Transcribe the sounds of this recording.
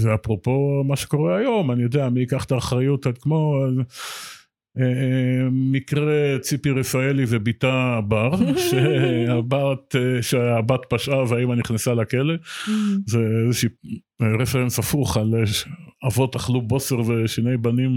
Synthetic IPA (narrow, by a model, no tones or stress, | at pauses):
veapʁopo̞maʃeko̞ʁe̞ajo̞manijo̞d̪eamiikaχtaːχʁajut̪adkmo̞ | e | mikʁet͡sipiʁefaelivebit̪abaʁʃeabat̪ʃeabat̪paʃʔaveaimaniχnesalakele̞zeezeʃiː | ʁefeʁensafuχaleavo̞taχlubo̞seʁve̞ʃine̞jbanim